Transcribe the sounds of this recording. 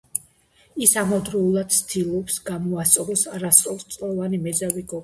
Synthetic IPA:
isamɔd̪ɾɔulˠad̪̥st̪ʰilˠɔpsɡamɔast̪ʼɔɾɔsaɾast̪ʼɔlst̪sʼlɔvanimɛzaviɡɔ

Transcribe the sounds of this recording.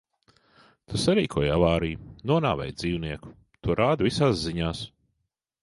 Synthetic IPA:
t̪ʰusaɾiːkʰuɔjavaːɾijunuɔna̰ːvɛ̰jd̪ziːwniɛku̥ | t̪uɔɾaːd̪visaːsziɲaːs

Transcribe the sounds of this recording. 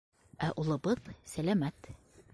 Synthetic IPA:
æʔulˠɤ̆bɤðsælæmæt̪

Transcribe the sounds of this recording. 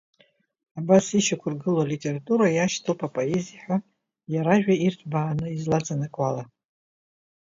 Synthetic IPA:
abasiʃakʷʰʊrɡɨlalitʲʼe̞ratʼuɾajaʃtʰɨlpʰʼapʼo̞ezijħʷᶣa | jaɾaʒᶣairtʰbaːnɨizlad͡zʼanɨkʼwala

